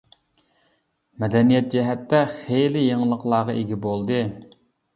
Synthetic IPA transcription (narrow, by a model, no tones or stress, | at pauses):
mɛd̪ɛnijɛt̪̚d͡ʒɛɦɛt̪ːɛχejlɪjeŋlˠəqlˠɑːʁɑʔeɡʲibolˠd̪ɨ